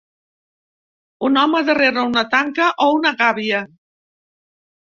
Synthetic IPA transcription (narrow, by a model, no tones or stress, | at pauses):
unɔməðəreɾəunət̪aŋkəʔounəɣaβiə